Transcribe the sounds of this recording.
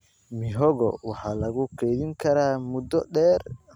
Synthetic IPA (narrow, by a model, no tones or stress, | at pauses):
mɪɦɔɣɔ̰wɑħɑːlɐɣʊkʰɛːðɪŋkʰɐɾaːmʊd̪ɔɗɛːr